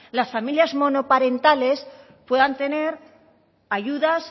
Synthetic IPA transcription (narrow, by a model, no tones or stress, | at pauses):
lasfamiljazmo̞no̞paɾe̞nt̪ale̞s | pwe̞ðant̪e̞ne̞ɾ | aʝuðas